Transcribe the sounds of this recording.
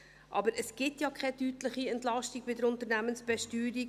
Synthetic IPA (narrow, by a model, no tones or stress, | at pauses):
ʔɑbəɾəsɡ̥ɪtjɑkʰχɛtytləχiɛntlɑʃtiɡvɪdəɾʊnt̪əɾnæmənsb̥ɛʃtyːɾi